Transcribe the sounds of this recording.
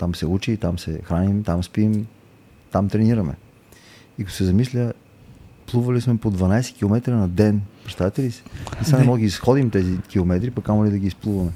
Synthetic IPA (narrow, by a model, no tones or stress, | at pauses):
t̪amsɛut͡ʃiːt̪amsɛxɾanimt̪amspim | t̪amt̪ɾɛniɾɐmɛ̰ | ikɐt̪o̥sɛzɐmislʲə | plˠuvɐlismɛpod̪vɐnajsɛ̥kʲilˠomɛt̪ɾənɐd̪ɛnpɾɛt̪t̪avit̪ɛlisi̥nɛsanɛmɔd̪ɡʲiːsxɔd̪imt̪ɛzikʲilˠomɛt̪ɾipɐkamolid̪ɐɡiːsplˠuvɐmɛ